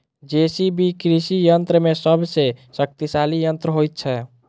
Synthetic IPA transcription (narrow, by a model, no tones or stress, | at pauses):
d͡ʒesibʱikɾisijənt̪ɾəmesəbsesək̚t̪isalijənt̪ɾəɦojt̪̚t͡ʃʰɛ